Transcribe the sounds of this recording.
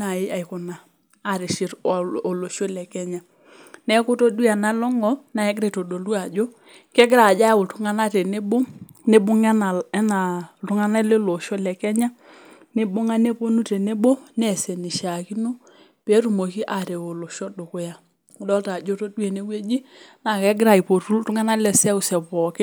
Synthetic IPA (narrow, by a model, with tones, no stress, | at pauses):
na˨jɪ˦a˨i˨kʊ˨na˨ | a˨ɾe˨ʃɪ˨ɾo˨lo˨ʃo˦lɛ˨kɛ˦ɲa˦ | nɛ˦kʊ˦to˦du˦a˨na˦lɔ˦ŋɔ˨na˨ɛ˦ɡ̬ɾe˨to˨do˨lu˦a˨d͡ʒo˦ | kɛ˦ɡɾa˨d͡ʒa˦ʊ˨tʊ˦ŋa˦na˦te˨ne˦bo˦ne˦bʊ˦ŋɛ˦na˨ɛ˦na˨tʊ˦ŋa˦na˦le˦lo˨ʃɔ˦lɛ˨kɛ˦ɲa˦ | ne˦ɓo˦ŋa˦ne˦po˦nu˦te˨ne˦ɓo˦nɛ˨sɛ˨ni˨ʃa˨ki˦no˦ | pe˨˦ɾu˨mo˨ki˦ʔa˨te˨o˨lo˨ʃɔ˦do˨kʊ˦ja˨˦ | dɔ˦ta˨d͡ʒo˦to˦dwe˨ne˦we˦d͡ʒi˦na˨kɛ˦ɡɾa˨i˨po˨tu˦ltʊ˦ŋa˦na˦lɛ˨sɛ˦ʊ˨sɛ˨pɔ˨ke˦